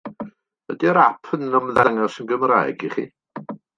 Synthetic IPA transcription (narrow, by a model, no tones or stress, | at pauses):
ədiəɾapʰənɔmðaŋɔsənɡəmra̰ɨɡiχḭ